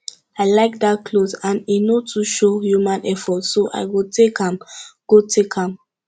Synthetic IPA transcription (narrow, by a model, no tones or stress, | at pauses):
aɪlaɪk̚dat̚kʰlozãninotʰuʃohjumãnʔɛfɔtsoʔa̰ɪwitʰekhãmɡ̥otʰekʰãm